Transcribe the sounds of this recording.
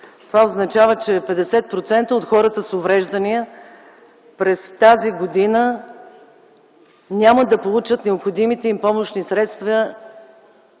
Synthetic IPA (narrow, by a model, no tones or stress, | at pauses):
t̪ovaoznɐt͡ʃavət͡ʃɛpɛd̪ɛsɛt̪̚pɾot̪sɛnt̪əot̪xɔɾət̪əsovɾɛʒd̪əniə | pɾɛst̪aziɡod̪inə | nʲaməd̪ɐpolˠut͡ʃət̪nɛopxod̪imit̪ɛimpɔmoʃnisɾɛt̪st̪və